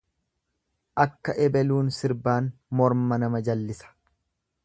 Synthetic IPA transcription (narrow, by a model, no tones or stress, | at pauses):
ʔɐkːɐʔɛbɛluːnsɪɾbaːnmɔɾmɐnɐmɐd͡ʒɐlːɪsɐ̥